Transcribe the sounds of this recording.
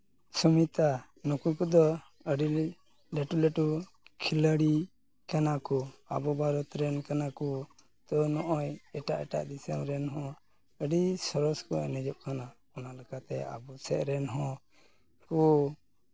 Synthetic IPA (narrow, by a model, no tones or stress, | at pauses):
sumit̪a | nɔkujkɔd̪ɔ | əɖi | lɛʈuleʈu | kʰiləɽi | kanakɔabɔbʱaɾɔt̪ɾɛnkanakɔ | t̪ɔnɔʔɔjɛʈaʔɛʈa̰ʔd̪isəmɾɛnɦɔ̃ | əɖisɔɾɔskɔɛ̰nɛd͡ʒɔp̚kʰanakɔnalɛkat̪ɛ̰a̰bɔsɛʔɾɛnɦɔ̃ | kɔ